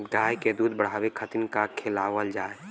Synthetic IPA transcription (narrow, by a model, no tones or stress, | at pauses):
ɡaːjked̪uːd̪bəɽ̤aːwekʰət̪ɪnkakʰeːlaːwəld͡ʒaːe